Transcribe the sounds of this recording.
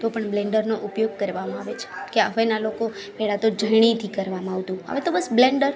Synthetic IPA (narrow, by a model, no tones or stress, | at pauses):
t̪opəɳblɛ̃ɳɖəɾnoʔupjoɡ̚kəɾʋamãaʋet͡ʃʰe̥keəʋenalokopɛɭat̪od͡ʒəjɽ̃it̪ʰikəɾʋamãaʋt̪ũə̰ʋet̪obəsblɛɳɖəɾ